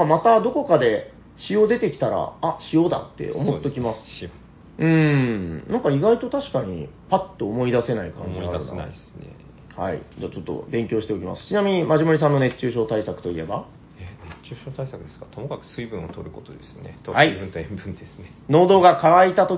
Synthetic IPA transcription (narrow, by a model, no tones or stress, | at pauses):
mat̪ad̪o̞ko̞kad̪e̞ | ɕijo̞ːd̪e̞t̪e̞kʲi̥t̪aɾa̰aɕijo̞ːd̪a̰t̪ːe̞̰o̞̰mot̪ːokʲimasɨ̥ | ɯ̃ɴnãŋkaiɡait̪o̞t̪aɕi̥kaɲ̟ḭ | pat̪ːo̞ːmo̞id̪ase̞naikã̰ɲ̟d͡ʑiaɯ̰naa̰isɨnḛ | ha̰ḭd͡ʑaːt͡ɕo̞t̪ːo̞̰bẽ̞ŋkʲo̞ːɕi̥t̪e̞o̞kʲima̰sɨ̥t͡ɕinamʲiɲ̟imaʑimoɾis̬ãnːo̞ne̞t͡ɕːɨːɕo̞ːt̪aisakɯ̟̥t̪o̞ḭe̞ba̰ | enet͡ɕːɨːɕoːt̪aisakɯ̟d̪esɨ̥ɡat̪omokakɯ̟̥sɨibɯ̟̃ɰ̃o̰t̪oɾɯ̟kot̪od̪esɨnḛt̪oaibɯ̟nt̪oẽmbɯ̟̃nd̪esɨ̥ne | no̞ːd̪o̞ːɡakaβait̪at̪o̞